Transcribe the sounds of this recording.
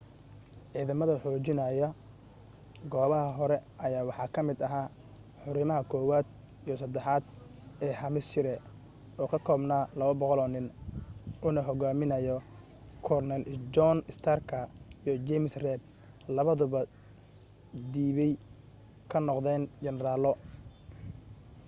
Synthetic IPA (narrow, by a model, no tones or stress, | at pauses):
ʕiːðɐmɐðɐħɔːt͡ʃɪnɐjɐ | ɡɔːβɐɦɐɦɔɾɛʔɐjaːwɑħɑːkʰɐmɪd̪ɐɦaː | ħʊɾɪmɐɦɐkʰɔːwaːd̪ | ijɔsɐd̪ɛħɑːd̪ | ɛːhɐmɪst͡ʃɪɾɛ | ɔːkʰɐkʰɔːbnaːlɐβɐbɔqɔlɔːnɪn | ʊnɐɦɔɣaːmɪnɐjɔ | kʰɔrnɛld͡ʒɔnɪst̪ʰaːrkʰɐijɔd͡ʒɛmɪsrɛːb̚ | lɐβɐðʊβɐ | d̪iːβɛj | kʰɐnɔqd̪ɛːnt͡ʃɛnɾaːlɔ